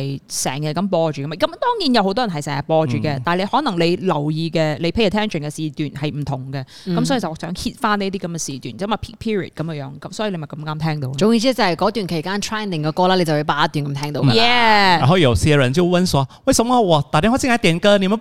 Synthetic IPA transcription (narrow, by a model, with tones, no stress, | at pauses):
jsɛː˨˩ŋjɐ˧kɐ˨˥mpɔː˧t͡ʃyː˨kmaː˨˧kɐ˨˦mt̪ɔː˥ŋjiː˨˥njɐ˧who˧˥t̪ɔː˥jɐ˨˩ɦɐ˨jsɛː˨˩jɐ˨˧pɔː˧t͡ʃyː˨˩kɛ˧t̪aː˨˩nle˨˧jhɔː˨˥nɐ˨˩ŋle˨˧jlɐ˨˩wjiː˧kɛː˧le˨˧jpʰe˨˥ɐ˨˩t̪ʰɛː˥nt͡ʃʰə˨nkɛː˧siː˧t̪yː˨nhɐ˨jm̩˨˩t̪ʰʊ˨˩ŋkɛ˧ | kɐ˨˦msɔː˨˥i˨˩t͡ssœː˨˥ŋhʰiː˧t̚faː˥ne˥t̪i˥kɐ˨˦mkɛ˨˧siː˨˧t̪yː˨˩njɐ˥ma˨˩pʰiː˥k̚pʰiː˥ɹḭ˨˩kɐ˨˦məː˧ŋjœː˨˥ŋkɐ˨˦msɔ˨˥ji˨le˨˧m˨˩kɐ˧mŋaː˥mt̪ʰɛː˥ŋt̪o˧wʊ˨ŋi˧˩t͡siː˥t͡sɐ˧˩hɐ˨˩jkɔː˨˥t̪yː˨nkʰkaː˥nt̪ʰɹaː˥jnɪ˨˩ŋkɔ˧kɔː˧laː˥le˨˧t͡swpe˨˧˩paː˨˩ɐ˦˥t̪yː˨˩nkɐ˧˦mt̪ʰɛː˥ŋt̪o˧wa˧˨ɛː˨˧a˨˩ɦɔ˧˥i˨jo˨˩ʊsɛ˧ɻə˨˧˦nt͡ɕjo˥˧ʊwə˥˧nswɔ˨˦we˥˩ɪsə˧˦mɔ˧wɔ˨˩t̪aː˨˩t̪ɛ˧˥hɔ˧˥sʰi˧˥aː˨˥t̪ɛ˨˩nkə˥ni˨˧˩mə˨˦